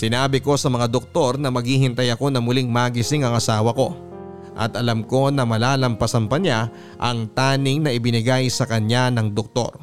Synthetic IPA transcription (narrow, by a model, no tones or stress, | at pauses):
sɪnaːbɪko̞sɐmɐŋad̪ok̚t̪o̞ɾnɐmɐɡhiːɦɪnt̪ɐjɐko̞nɐmʊlɪŋmaːɡɪsɪŋɐŋɐsaːwɐko̞ | ʔɐ̰t̪ʔɐlɐmko̞nɐmɐlaːlɐmpɐsɐmpɐna | ʔɐŋt̪aːnɪŋnɐʔɪbɪnɪɡajsɐkɐɲanɐŋd̪ok̚t̪o̞̰ɾ